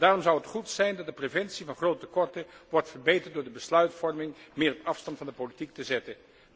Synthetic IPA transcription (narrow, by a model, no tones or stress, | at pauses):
d̥aːrɔmzʌwɦətχutsɛjndɑtdəprevɛntsivɑnχrowtəkɔɹtəʋɔrtfəɹbejtəɹtdʊːɹdəbəslœɥtfɔɹmɪŋmɪːrɔpɑfstɑntfɑndəpolitik̚təzɛtən